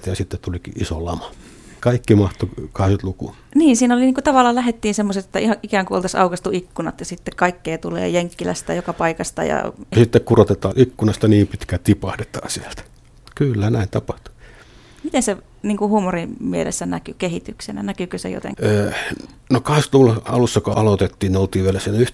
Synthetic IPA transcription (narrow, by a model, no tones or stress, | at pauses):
t̪jɑsit̪ːet̪ulikḭʔiso̰lɑmɑ | kɑikːimɑht̪okɑheset̪lukṵ | niːnsiːnoliniːkut̪ɑʋɑlːˑɑːlæhet̪ːiːnsemːoset̪ĕt̪ːæihɑʔikæːŋkuolt̪ɑsɑ̰ukɑst̪uikːunɑ̰t̪jɑsit̪ːekkɑikːeːt̪ulḛːjeŋkːilæ̰st̪æjokɑpɑikɑst̪ɑ̰jɑ̰jɑsit̪ːekkurot̪et̪ɑːʔikːunɑst̪ɑniːmpit̪kæt̪ipɑhdet̪ɑːsiæ̥lt̪æ̥ | kylːænæint̪ɑpɑht̪u̥ | mit̪ense | niːŋkuhuːmorimmielḛsːænækykehit̪yksenæ̰nækykøsḛjo̰t̪ḛŋøːnokɑheset̪lukulɑɑlusːɑkoɑlot̪et̪ːiːnneolt̪iːʋielæsienyht̪